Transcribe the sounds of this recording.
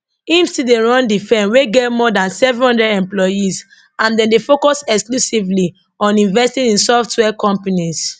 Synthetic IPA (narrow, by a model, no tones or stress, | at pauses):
ĩmsideɹɔ̃ndifɛ̃nweɡɛtmɔdãnsɛvɛ̃nhɔ̃ndɹɛdɛ̃mplɔjiz | ãndɛ̃ndefokɔsɛksklusivli | ɔ̃nĩɱvɛstĩnĩnsɔftwɛkɔ̃mpanis